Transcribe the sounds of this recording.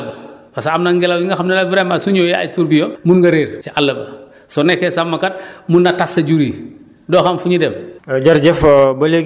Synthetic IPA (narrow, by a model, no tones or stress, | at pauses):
bɐfasamnɐŋɡɛlawjiŋɡɐxɐmnɐnɐvɾɛmasuɲoja̰jtuɾbijɔnmunɡɐɾeːɾt͡ʃiʔalːɐbɐ | sɔnɛkːɛsamːɐkat̚munːɐtasɐɟuɾiː | dɔːxɐmfuɲidɛmɟɐɾɟɛfbɐleɡ